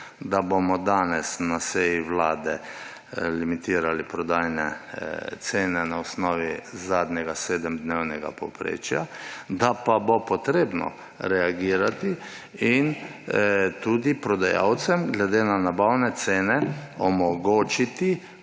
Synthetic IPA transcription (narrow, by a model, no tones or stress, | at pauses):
d̪abomɔd̪aːnɛsnasejiʋlaːd̪ɛ | limit̪iːɾalipɾɔd̪aːjnɛ̰t̪seːnɛnaɔsnɔːʋizaːd̪ɲɛɡaseːd̪əmd̪newnɛɡa̰pɔpɾḛːt͡ʃja̰d̪apabopɔt̪ɾeːbnɔ̰ | ɾɛaɡiːɾat̪i | in | t̪uːd̪ipɾɔd̪aja̰wt̪sɛmɡlɛd̪eːnanabawnɛt̪seːnɛɔmɔɡoːt͡ʃit̪i